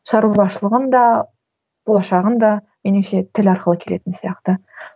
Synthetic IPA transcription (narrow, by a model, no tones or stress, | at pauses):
ʃɑɾub̪ɑʃəlˠəʁənd̪ɑ | b̥olˠɑʃɑʁənd̪ɑ | meneʃe̞t̪ʰɪlɑɾqəlˠəkʲʰe̞le̞t̪ɪnsijɑqt̪ə